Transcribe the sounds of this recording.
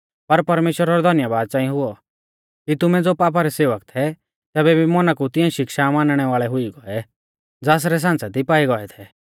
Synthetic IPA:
pɐɾpɐɾmeːʃwəɾaɾɔd̪ʱɔnjabaːd̪̚t͡sãːĩj̃ɦʊɔ | kit̪ʊmɛd͡zoːpaːp̬aɾɛseːʋəkt̪ʰɛ | t̪ɛːbɛbʱimɔnakut̪ɪɛ̃ʃɪkʃamãːnɽ̃ɛʋaːɭɛɦʊiɡɔɛ | d͡zaːs̬ɾɛs̬ãːnt͡sad̪ipaːiɡɔɛt̪ʰɛ

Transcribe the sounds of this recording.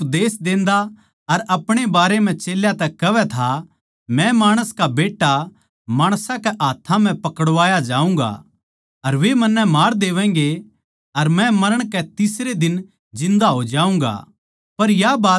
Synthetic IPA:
pd̪eːsd̪ẽːnd̪a | ɐɾʔɐpɽ̃ebaːɾem̤ɛ̃t͡ʃeːljat̪ɛkɐʋɛt̪ʰa | mɛ̃maːɽ̃əskabeːʈːa | maːɽ̃sãkɛʔaːt̪ʰãm̤ɛ̃pɐkəɽʋaːjad͡ʒaːũːŋɡa̰ | ɐɾʋemɐnːɛmaːɾd̪eːʋɛ̃ːŋ̆ɡe | ɐɾmɛ̃mɐɾəɽ̃kɛt̪ɪsɾed̪ɪn | d͡ʒɪ̃nd̪aɦod͡ʒaːũːŋɡa̰ | pɐɾjabaː

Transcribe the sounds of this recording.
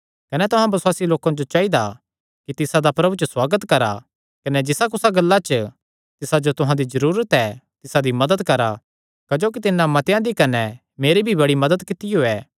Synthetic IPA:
kɐnɛt̪ʊɦãbɐsʊwaːsiloːkãd͡ʒot͡ʃaid̪a | kit̪ɪsad̪apɾɐbʱut͡ʃəswaːɡət̪kɐɾa̰ | kɐnɛd͡ʒɪsakʊsaɡɐlːat͡ʃə | t̪ɪsad͡ʒot̪ʊɦãd̪izɐɾuːɾət̪ɛt̪ɪsad̪imɐd̪əd̪kɐɾa | kɐd͡ʒoːk̬it̪ɪnːãmɐt̪ejãd̪ikɐnɛ | meːɾibʱibɐɽimɐd̪əd̪kɪt̪ɪjoɛː

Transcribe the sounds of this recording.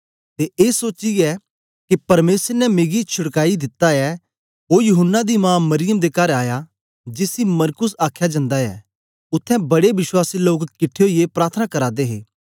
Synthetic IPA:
t̪eʔeːsoːt͡ʃiɛ | kipɐɾmeːsəɾnɛmeːɡit͡ʃʰʊɽkaːid̪ɪt̪ːaɛ | ɦoːjʊɦənːad̪imãːmɐɾɪjəmd̪ekaɾaːja | d͡ʒɪsimɐɾkʊsaːkʰːjad͡ʒɐ̃nd̪aɛ̰ | ʊt̪ʰːɛ̃bɐɽeʋɪswaːsiloːkkɪʈʰːeɦoiepɾaːɾt̪ʰənakɐɾaːd̪eɦeː

